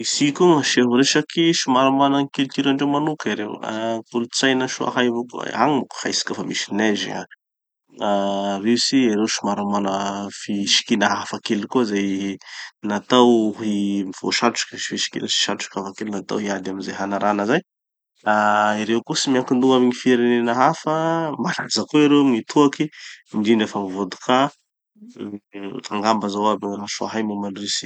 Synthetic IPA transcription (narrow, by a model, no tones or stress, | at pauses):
isikuŋəʃeɦuɾeʃakʰiʃumaɾamanaŋkelt̪iɾaɳɖ͡ʐewmanukiɾḛwa̰kulut͡sajnaʃua̰ɦajvukṵa̰ŋmuku̥hajsi̥kʲafamisinɛzḭa̰ | risiiɾewʃumaɾamanəfiʃi̥kinəɦafakelkuzaj | nat̪awɦimiv̥o̰ʃaʈ͡ʂu̥kiifiʃi̥kḭnəsi̥ʃaʈ͡ʂu̥kafakelnat̪a̰wɦiad̪aminzajɦanaɾanəzaj | aiɾewkusimiaŋkind̪uŋɡamiɲifiɾenenəɦafəmalaizakuiɾewŋit̪ʰuakimiɖ͡ʐinafamivod̪u̥kʰa | t̪aŋɡambəzawabinɾaʃoa̰ɦajmumanrisi̥